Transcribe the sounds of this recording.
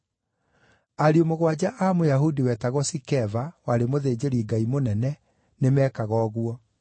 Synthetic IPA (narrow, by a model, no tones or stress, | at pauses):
aɾiomoɣwad͡ʑaʔamojaɦudiwɛːtaɣɔsikɛvawaɾemoðeːd͡ʑeɾiɡaimonɛnɛ | nemɛːkaɣɔːɣwɔ